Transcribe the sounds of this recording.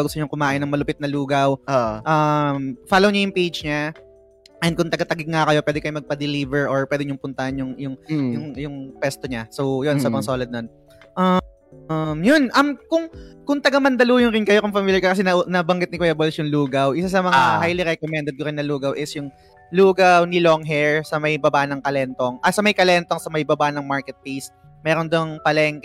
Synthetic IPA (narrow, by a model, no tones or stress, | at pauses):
ɡʊst̪oɲʊŋkʊmaːʔɪnːɐŋmɐlʊpɪt̪̚nɐluːɡɐwoʔɐmfaːlowɲajʊŋpejd͡ʒɲa | ʔɛnd̪̚kʊŋt̪ɐɡɐt̪ɐɡɪɡ̚ŋɐkɐjo̞pwɛːd̪ɪkɐjomɐɡ̚pɐd̪ɛlivɛɹʔoɹpwɛːd̪ɪɲʊŋpʊnt̪ɐhɐnjʊŋjʊŋjʊŋjʊŋpwɛst̪oɲasowjonsabɐɐsoːlɐd̪̚non | ʔa | mjʊnʔɐmkʊŋkʊŋt̪ɐɡɐmɐnd̪ɐluːjʊnɾɪnkɐjokʊŋfɐmiljɐɹkɐkɐsɛnɐʔnɐbɐŋɡɪt̪̚nɪkwɛjɐbolɐsjʊŋluːɡɐwʔɪsas̬ɐmɐahajliɾɛkomɛnd̪ɛd̪̚kokɐjonɐluːɡɐwʔɪsjʊŋ | luːɡawnɪloŋɦɛɹsɐmɐjbɐbaʔnɐŋkɐlɛnt̪oŋʔɐsɐmɐjkɐlɛnt̪oŋsɐmɐʔɪbɐbaʔnɐŋmaɹkɛt̪̚pejs | mɛːɾond̪oŋpɐlɛŋk